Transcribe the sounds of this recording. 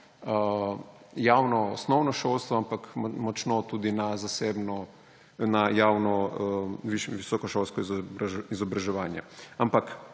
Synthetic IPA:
ə | jaːwnɔːsnɔwnɔʃolst̪ʋɔampakmɔt͡ʃnɔt̪uːd̪inazaseːbnɔ | najaːwnɔəʋiʃʋisɔːkɔʃolstkɔiizɔbɾaʒɛʋaːnjɛ̰ampak

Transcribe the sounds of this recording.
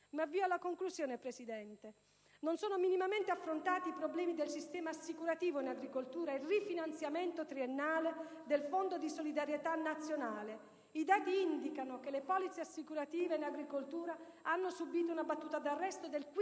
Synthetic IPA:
mavːiːoalːakoŋkluzjoːnepɾesid̪ɛnt̪e | nonsoːnominimament̪eafːɾont̪aːt̪iːpɾoblɛːmid̪elsist̪ɛːmaːsːikuɾat̪iːvoinaɡɾikolt̪uːɾailrifinant̪sjament̪ot̪ɾienːaːle | d̪elfond̪od̪isolid̪aɾjet̪anːat̪sːjonaːle | id̪aːt̪iind̪ikanokelepɔːlit̪siasːikuɾat̪iːveinaɡɾikolt̪uːɾaanːosubiːt̪̬ounabat̪ːuːt̪ad̪arːɛst̪od̪elk

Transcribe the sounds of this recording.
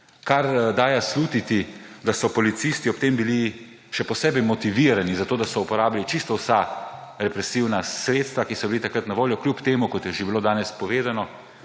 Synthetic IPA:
kaɾd̪aːjasluːt̪it̪id̪asɔpɔlit̪sist̪iɔpt̪embili | ʃɛpɔsɛːbɛjmɔt̪iʋiɾanizat̪oːd̪asɔupɔɾaːbilit͡ʃist̪ɔwsaɾɛpɾɛsiwnasɾeːt̪st̪ʋakisɔbilit̪akɾət̪naʋoːljɔkljupt̪eːmukɔt̪jɛʒebiloːd̪aːnɛspɔʋeːzanɔ

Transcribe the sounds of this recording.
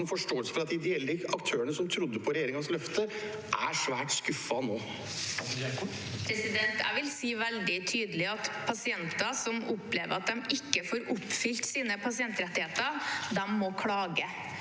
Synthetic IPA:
nfɔʂʈoːlsəfɔɾɑt̪ʰːid̪ɪɛlːəɑkt̪ʰøːəɳəsɔmt̪ʰɾʊd̪ːəpʰɔɾɛjeːɾɪŋɑnslœft̪ə | ʔæ̰ʂʋæːʈskʉfɑnoː | pʰɾɛsɪd̪ɛnt̪æ̰ʋɪlsiːʋɛld̪ɪt̪ʰyːd̪əlɪɑt̪pʰɑsɪɛnt̪ɑsɔmʊpleːʋə̰ɾɑt̪̚d̪ɛmɪkːəfoːɾʊpːfʏlt̪siːnəpʰɑsɪɛnt̪ɾɛt̪ːɪheːt̪əd̪ɛmːɔkʰɽɑːɡə

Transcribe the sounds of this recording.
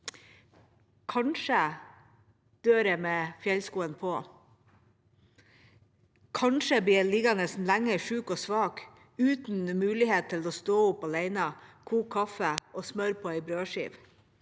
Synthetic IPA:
kʰɑnʂə | d̪̥øːɾɛmɛːfjɛlskuːənpʰoː | kʰɑnʂəbiːliːɡɑnɛsn̩læŋːəʂʉːkoːsʋɑːk | ʉːt̪n̩mʉːlɪheːt̪̚t̪ʰɪloːst̪oːʊpɑleɪnəkʰuːkʰːɑfəʔɔːsmœɾpʰɔːɛɪbɾøːʂḭːʋ

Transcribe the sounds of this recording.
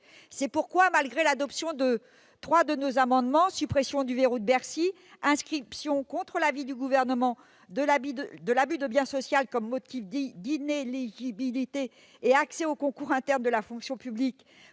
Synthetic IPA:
sɛpuʁkwamalɡʁelad̪ɔpsjɔ̃d̪ə | t̪χwad̪ənozamɑ̃d̪mɑ̃sypχesjɔ̃d̪yveʁod̪əbɛʁsi | ɛ̃skχipsjɔ̃kɔ̃t̪χəlavid̪yɡuvɛʁnəmɑ̃ | d̪əlabid̪d̪əlabyd̪əbjɛ̃sɔsjalkɔmːɔt̪ifd̪d̪ineleʒibilit̪eː | aksɛokɔ̃kuʁɛ̃t̪ɛʁnd̪əlafɔ̃ksjɔ̃pyblik

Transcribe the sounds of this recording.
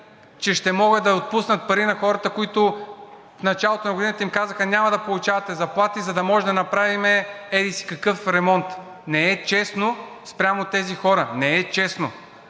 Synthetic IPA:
t͡ʃɛʃt̪ɛmɔɡəd̪ɐot̪̚pusnɐt̪̚pɐɾinɐxɔɾɐt̪əkoit̪ʊ | fnɐt͡ʃalˠot̪onɐɡʊd̪inət̪əimkazəxənʲamɐd̪ɐpolˠut͡ʃavɐt̪ɛzɐplˠat̪izɐd̪ɐmɔʒɛd̪ɐnɐpɾavimɛɛd̪isi̥kɐkɤfɾɛmɔnt̪ | nɛɛt͡ʃɛsno | spɾʲjamot̪ɛzixɔɾənɛɛt͡ʃɛsno

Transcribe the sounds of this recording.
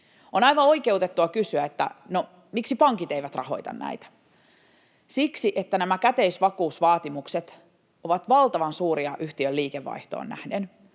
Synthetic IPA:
onɑiʋɑoike̞ut̪et̪ːuɑkysyæet̪ːæ̰no | miksipɑŋkit̪eiʋæt̪rɑ̰ho̞̰it̪ɑ̰nnæ̰it̪æ̥ | siksiʔet̪ːænæmækæt̪eisʋɑkuːsʋɑːt̪imukset̪ | oʋɑt̪ʋɑlt̪ɑʋɑnsuːɾiɑʔyht̪iølːiːkeʋːɑ̰iht̪o̰ːnːæ̰hden

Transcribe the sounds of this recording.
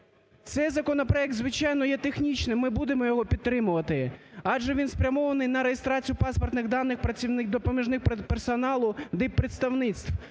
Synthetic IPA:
t̪sɛjzɐkɔnɔpɾɔɛk̚t̪zʋɪt͡ʃɑjnɔjɛt̪exnʲit͡ʃnɪmɪbud̪emɔjɔɦɔpʲid̪ːɾɪmʊʋɐt̪ɪɑdʒɛʋʲinspɾʲɐmɔʋɐnɪjnɐɾejest̪ɾɑt͡sʲijʊpɑspɔrt̪nɪxd̪ɑnːɪxpɾɐt͡sʲinɪkd̪ɔpɔmʲiʒnɪxpersɔnɑlˠʊd̪ɛpɾet̪st̪ɐwnɪt̪st̪w

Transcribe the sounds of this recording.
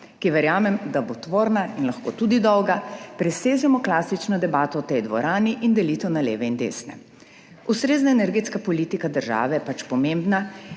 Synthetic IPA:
kiʋɛɾjaːmɛmd̪abot̪ʋoːɾnainlɐxkoːt̪ud̪id̪ɔwɡapɾɛseːʒɛmɔklaːsit͡ʃnɔd̪ɛbaːt̪ɔɔt̪ɛjd̪ʋɔ̰ɾaːniʔind̪ɛlit̪ɛwnalḛːʋɛind̪ḛːsnɛ̰ | ust̪ɾeːznaɛnɛɾɡeːt̪skapɔliːt̪ikad̪əɾʒa̰ːʋɛjɛpat͡ʃpɔmembna

